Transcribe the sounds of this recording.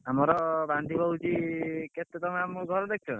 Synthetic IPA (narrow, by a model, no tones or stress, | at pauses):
amɔɾɔband̪ʱibʱɔɦud͡ʒiket̪ːet̪ɔmeamɡʱɔɾɔd̪ek̚ʰt͡ʃʰɔ